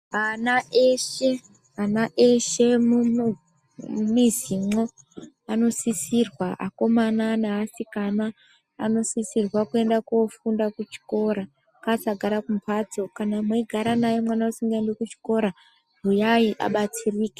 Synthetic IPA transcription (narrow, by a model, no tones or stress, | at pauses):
ɦanaeʃe̞ | ɦanaʔeʃe̞mu | mizimo̞ | ano̞sisirwaʔa̰ko̞mananaɦasikana̰ː | no̞sisirwakue̞ndakofundakut͡ʃi̥ko̞ɾa | kasaɡʱaɾakumpʰad͡zo̞kanamweiɡʱaɾanajomwanausiŋɡaendekut͡ʃi̥ko̞ɾa | bujaiʔa̰ɓat͡siriːke̥